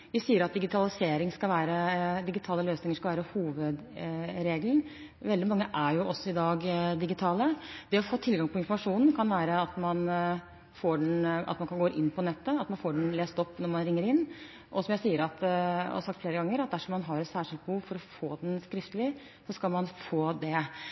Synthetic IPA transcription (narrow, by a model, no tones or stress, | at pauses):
ʋɪsiːəɾɑt̪̚d̪ɪɡɪt̪ʰɑlɪseːɾɪŋskɑlʋæːɾəd̪ɪɡɪt̪ʰɑːləløːsnɪŋəʂkɑlʋæːɾəhuːʋəd̪ɾeːɡln̩ | ʋɛld̪ɪmɑŋːəʔæɾjʊʔɔsːɔɪd̪ɑːɡd̪ɪɡɪt̪ʰɑːləd̪ɛɔfoːt̪ʰɪlɡɑŋpʰɔɪnfɔɾmɑʂuːnn̩kʰɑnʋæːɾəɑt̪mɑn | foːɖɛnɑ̰t̪mɑnkɑnɡoːʔɪnːpʰɔnɛt̪ːəɑt̪mɑnfoːɖɛnleːst̪ɔpːnɔɾmɑnɾɪŋːəɾɪnː | ʔɔsɔmjæɪsiːəɾɑt̪ɑ̰sɑkt̪fleːɾəɡɑŋːəɾɑt̪̚d̪æʂɔmːɑnɦɑɾɛt̪sæːʂɪlt̪̚bəhuːʋfɔɾɔfoːd̪ɛnskɾɪft̪əlɪ | sɔskɑlmɑnfoːd̪ɛ